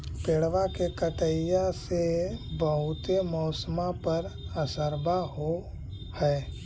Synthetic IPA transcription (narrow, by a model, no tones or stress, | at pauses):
peːɽʋakekəʈəɪjasebəɦʊt̪emɔːsəmapəɾəsəɾbʱaɦo | hɛː